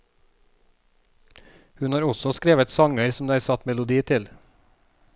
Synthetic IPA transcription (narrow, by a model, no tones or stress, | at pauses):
hʉnhɑːɾɔsɔskɾeːʋət̪sɑŋəɾsɔm̩d̪eːæːɾsɑt̪mɛlʊd̪iːt̪ʰɪl